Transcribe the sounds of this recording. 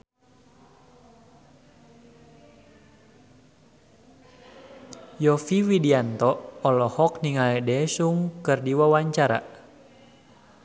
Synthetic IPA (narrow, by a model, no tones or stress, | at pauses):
jɔfiwidiant̪ɔɔlɔhɔk̚niŋalɛdɛsuŋkɨrdiwawaɲt͡ʃaɾa̰